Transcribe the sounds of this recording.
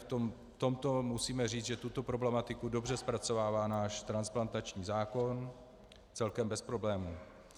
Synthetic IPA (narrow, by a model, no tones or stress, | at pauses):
ft̪om | t̪o̞mt̪o̞musiːmɛr̝iːt͡sʒɛt̪ut̪o̞pɾo̞blɛmat̪ɪkudo̞br̝ɛspɾat͡so̞vaːvaːnaːʃt̪ɾansplant̪at͡ʃɲiːzaːko̞n | t͡sɛlkɛmbɛspɾo̞blɛːmuː